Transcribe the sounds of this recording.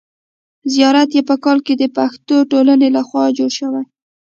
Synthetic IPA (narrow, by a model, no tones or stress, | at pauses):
zijɑɾat̪jepəkɑlked̪əpaxt̪oʈolanelaxwɑd͡ʒoɽʃəwaj